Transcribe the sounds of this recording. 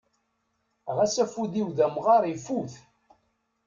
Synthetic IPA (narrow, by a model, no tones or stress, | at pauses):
ʁæsæfuðiwðæmʁɑɾˤifuθ